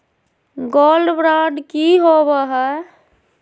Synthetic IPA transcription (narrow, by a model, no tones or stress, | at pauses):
ɡolɖbɾaɖkiɦobɛɦɛ